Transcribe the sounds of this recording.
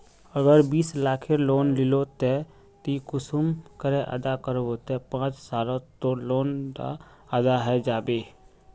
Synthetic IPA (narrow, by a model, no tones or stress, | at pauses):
əɡəɾbiːslaːkʰeloːnlɪlot̪e | t̪ikʊsumkəɾeʔə̰d̪akəɾbot̪epãːt͡ʃsaːlõt̪oloːnda̰ | əd̪aɦɛd͡ʒaːbeː